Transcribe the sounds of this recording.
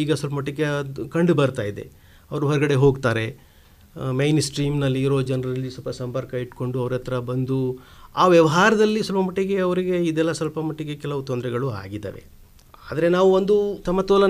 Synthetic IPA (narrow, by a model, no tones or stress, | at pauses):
iːɡɐsʋɐlpɐmɐʈːiɡːekɐɳɖubɐɾt̪aːjid̪e̞̰ | ɐʋɐɾuɦɔɾɡɐɽe̞ɦo̞ːɡt̪aːɾe̞ | mejnsʈɾiːmnɐlːiːɾo̞ːd͡ʒɐnɐɾɐɐlːisɔlpɐsɐmpɐɾkɐiʈko̞ɳɖuɐʋɐɾɛt̪ɾɐbɐnd̪uaːʋjɐʋɐɦaːɾɐd̪ɐlːiswɐlpɐmɐʈːiɡe̞ɐʋɐɾiɡe̞id̪ɛlːɐsɐlpɐmɐʈːiɡe̞kɛlɐʋut̪ond̪ɾɛɡɐɭua̰ːɡid̪ɐ̰ːʋe̞̰ | aːd̪ɐɾe̞naːʋuond̪ut̪ɐmːɐt̪oːlɐ